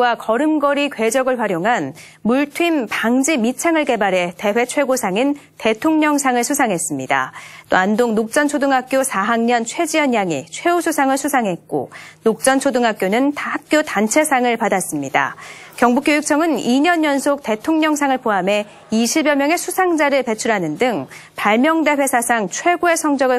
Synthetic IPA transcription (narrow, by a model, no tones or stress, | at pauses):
wakʌɾɯmɡʌɾikwe̞d͡ʑʌɡɯɭɸwaɾjoŋɦan | muɭtʰwimpaŋd͡ʑimit͡ɕʰaŋɯɭke̞baɾe̞te̞ɸwe̞t͡ɕʰwe̞ɡosʰaŋinte̞tʰoŋɲʌŋsʰaŋɯɭsʰusʰaŋɦe̞s͈ɯmɲida̰t͈oandoŋnok̚t͡ɕ͈ʌnt͡ɕʰodɯŋɦak̚k͈josʰaɦaŋɲʌnt͡ɕʰwe̞d͡ʑiʌɲjaŋḭt͡ɕʰwe̞usʰusʰaŋɯɭsʰusʰaŋɦe̞t̚k͈o̰nok̚t͡ɕ͈ʌnt͡ɕʰodɯŋɦak͈jonɯnthak̚k͈jotant͡ɕʰe̞sʰaŋɯɭpadas͈ɯmɲida̰kjʌŋbuk͈jojuk̚t͡ɕʰʌŋɯniɲʌnːʌnsʰok̚te̞tʰoŋɲʌŋsʰaŋɯɭpʰoɦame̞ | iɕʰibjʌmjʌŋe̞sʰusʰaŋd͡ʑaɾɯɭpe̞t͡ɕʰuɾɦanɯndɯŋpaɭmjʌŋde̞ɸwe̞sʰasʰaŋt͡ɕʰwe̞ɡoe̞sʰʌŋd͡ʑʌɡɯɭ